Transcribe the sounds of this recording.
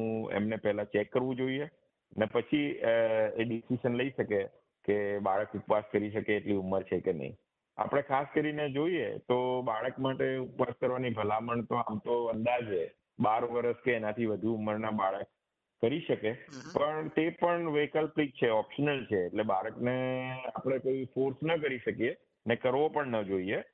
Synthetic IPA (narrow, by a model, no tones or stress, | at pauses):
ũḛmnepɛɦlat͡ʃekːəɾʋũd͡ʒoie | ənepət͡ʃʰi | eɖisiʃənləiʃəke | kebaɭəkupʋaskəɾiʃəkeːʈliuməɾt͡ʃʰekenə̰ɦḭ̃ | a̰pəɽ̃ekʰaskəɾined͡ʒoiḛt̪obaɭəkmaʈeupʋaskəɾʋanibʱəlaməɳt̪oamt̪oənd̪ad͡ʒe | baɾʋəɾəskeːnat̪ʰiʋəd̪ʱuumːəɾnabaɭək̚ː | əɾiʃəkepəɳt̪epəɳʋekəlplik̚t͡ʃʰeɔpʃənəlt͡ʃʰeːʈlebaɭəknea̰pəɽ̃ekoifoɾsnəkəɾiʃəkije | ənekəɾʋopəɳnəd͡ʒoie